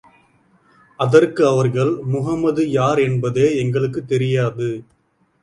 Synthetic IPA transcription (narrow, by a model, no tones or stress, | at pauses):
ɐðɐrkɯɐʋɐɾɣɐɭmʊɣɐmːɐðɯjaːɾɛnbɐðeːɛŋɡɐɭɯkːɯt̪ːɛɾɪjaːðɯ